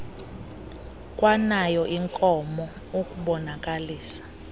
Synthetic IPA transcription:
kʼwanajɔʔiŋkʼɔmɔ | okʼuɓɔnakʼaliːsḁ

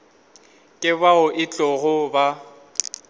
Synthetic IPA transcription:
kʼɪbaʊʔɪt͡ɬʼɔɣʊba

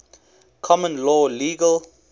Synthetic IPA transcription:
kʰɔmə̃nlɔːliːɡəl

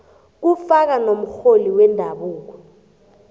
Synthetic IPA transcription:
k̬ufak̬anom̩xoliwɛndʱaɓuːk̬ɔ

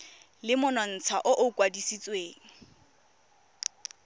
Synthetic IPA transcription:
lɪmʊnɔn̩t͡sʰaʔʊʔʊkʼwadisit͡sʼweːŋ̩

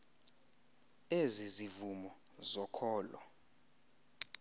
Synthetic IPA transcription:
ezizivumɔ | zɔkʰɔːlɔ̰

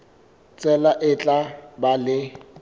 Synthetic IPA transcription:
t͡sʼɛlaʔɪt͡ɬʼabalɪ

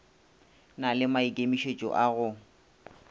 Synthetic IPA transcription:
nalɪmaikʼemiʃet͡ʃʼɔ̰ʔaɣʊ

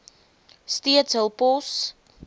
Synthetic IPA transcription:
stiətsɦəlˠpɔs

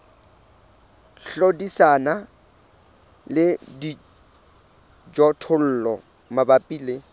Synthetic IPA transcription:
ɬodisana | lɪdi | d͡ʒɔtʰʊl̩ːlɔ | mabapʼiːle

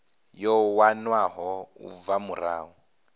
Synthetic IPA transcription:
jɔwanwaɦɔṵb̪vamuraːu

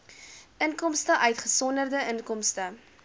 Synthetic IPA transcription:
ʔəŋkɔmstəʔœɥtχəsɔndərdəʔənkɔmstə

